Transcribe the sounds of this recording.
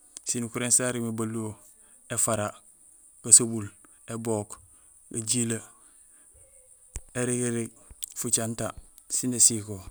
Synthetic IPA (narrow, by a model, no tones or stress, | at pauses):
sinukuɾensaɾimebaluo | efaɾa | kasobul | eboːk | kaɟila | eɾiɡeɾiɡ | fut͡ʃanta | sinesiko